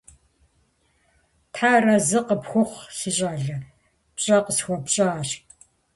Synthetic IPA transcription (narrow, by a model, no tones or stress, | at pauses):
tʰħaːrɐzɨqəpxʷʊχʷsɨɕʼaːɮɐ | pɕʼɐqəsxʷɔpɕʼaːɕ